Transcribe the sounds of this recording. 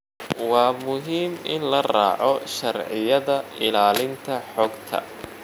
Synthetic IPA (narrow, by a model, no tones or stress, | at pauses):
wɑːmʊɦiːmʔɪ̰nlɐra̰ːʕɔʃɐrʕɪjɐðɐɪlaːlɪnt̪ʰɐħɔɡt̪ʰɐ̰